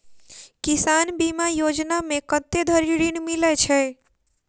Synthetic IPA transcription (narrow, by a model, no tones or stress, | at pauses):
kisanbimajod͡ʒnamekət̪ed̪ʱəɾiɾinmilɛt͡ʃʰɛ